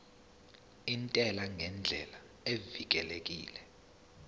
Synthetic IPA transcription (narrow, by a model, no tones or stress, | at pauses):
intʼɛlaŋʱɛnd͡ɮʱɛ̰la | evik̬ʼɛlek̬ʼḭːlɛ